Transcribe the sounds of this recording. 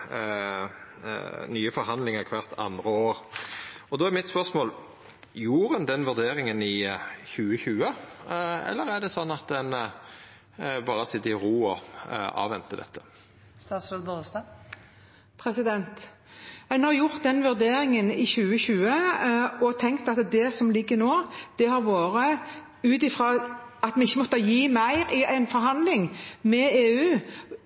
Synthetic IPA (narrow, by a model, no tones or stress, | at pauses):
nyːəfɔɾɦɑnd̪lɪŋəʁkʰʋæʁt̪ʰɑ̰nd̪ʁəoːɾ | ɔd̪oːæɾmɪt̪spœʁsmoːl | juːɾənd̪ɛnʋʉʁd̪eːɾɪŋənɪçʉːəçʉːə | ɛ̰lːəɾæɖ̪ɛsɔnːɑt̪̚d̪ɛn | bɑːɾəsɪt̪ːɪɾuːɔɑ̰ːʋɛnt̪əd̪ɛ̰t̪ʰːə̥ | st̪ɑːt̪slod̪bost̪ɑ | pʰɾɛsɪd̪ɛnt̪ | ɛnhɑjʊʁt̪̚d̪ɛnʋʉɾd̪eːɾɪŋənɪçʉːəçʉːəɔt̪ʰɛŋkt̪ɑt̪d̪ɛsɔmlɪɡːəɾnoːd̪̥ɛhɑɾʋoːɾə | ʉːt̪ɪfɾɑːɑt̪mɛɪçːəmɔt̪ːəjiːmæɪɾɪʔæɪnfɔɾɦɑnd̪lɪŋmɛeːʉː